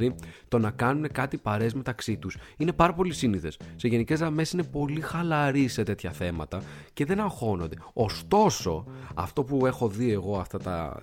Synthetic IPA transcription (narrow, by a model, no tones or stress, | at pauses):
ɾit̪o̞nɐkɐnune̞kɐt̪ipɐɾe̞zme̞t̪ɐksit̪usine̞pɐɾɐpo̞lisiniθe̞sːe̞ʝe̞nice̞zðɐme̞sinepo̞lixɐlɐɾise̞t̪e̞t̪çɐθe̞mɐt̪ɐce̞ðe̞nɐxo̞no̞nd̪e̞ost̪o̞so̞ɐ̰ft̪o̞pue̞xo̞ðie̞ɣo̞ɐft̪ɐt̪ɐ̰